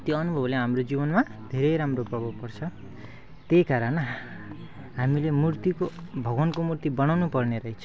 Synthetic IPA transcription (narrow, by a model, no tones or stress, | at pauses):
t̪joʌnubʱʌbleɦamrod͡zibʌnmad̪ʱeɾʌjɾamroprʌbʱʌbpʌrt͡sʰʌ | t̪ekaɾʌn | ɦamilemurt̪ikobʱʌɡʌnkomurt̪ibʌnawnupʌrneɾʌɦit͡sʰʌ